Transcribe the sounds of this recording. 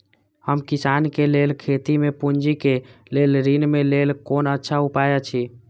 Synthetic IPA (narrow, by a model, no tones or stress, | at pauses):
həmkisankelelkʰet̪imepuɲd͡ʒikelelɾinmelelkonətːʃʰaupajat͡ʃʰi